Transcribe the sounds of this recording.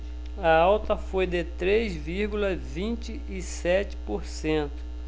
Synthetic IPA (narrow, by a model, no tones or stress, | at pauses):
ɐawt̪ɐfojd̪ɪt̪ɾezviɾɡulɐvĩt͡ʃɪ | ɪsɛt͡ʃɪ̥poɾsẽnt̪ʊ̥